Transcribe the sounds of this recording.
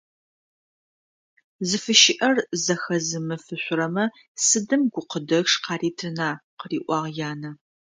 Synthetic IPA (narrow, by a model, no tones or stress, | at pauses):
zɨfɨʃɪʔɐrzɐxɐzɨmɨfɨɕʷʊɾɐmɐ | sɨdɨmɡʷʊqədɐxʂqɑːriːtʰɨnaːqəriːʔʷɑːʁjaːnɐ